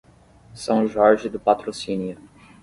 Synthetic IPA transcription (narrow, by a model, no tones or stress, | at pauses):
sɐ̃w̃ʒɔɾʒɪd̪ʊpat̪ɾosĩnjʊ